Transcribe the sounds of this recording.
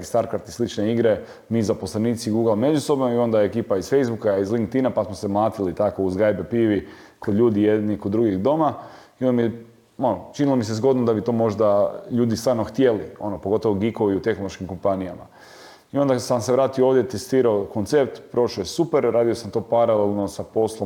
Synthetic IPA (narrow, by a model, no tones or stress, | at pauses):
kest̪aɾkaɾt̪islit͡ʃneiɡɾe̞ | mizapo̞slaniːt̪siɡuːɡlˠame̞d͡ʑuso̞bnoio̞nd̪aekiːpaizfe̞jzbukaizliŋkt̪inapasmose̞mlˠaːt̪ilit̪ako̞uzɡajbepiʋikod̪ʎʲuːd̪ijed̪nikod̪ːɾuɡiɣd̪o̞maiond̪mie | onot͡ʃinilˠo̞mis̬ezɡo̞d̪nod̪abit̪o̞ːmo̞ʒd̪aʎuːd̪ist̪ʋaːɾnoxt̪jelio̞nopoɡo̞t̪oʋoɡiko̞ʋiut̪e̞xnoloʃkimko̞mpanija̰ma̰ | io̞nd̪asamseʋɾaːt̪iooːʋd̪jet̪est̪iːɾaoko̞nt̪se̞p̚t̪pɾo̞ʃojesupeɾɾaːd̪iosamt̪o̞paɾalelˠno̞sapo̞slˠo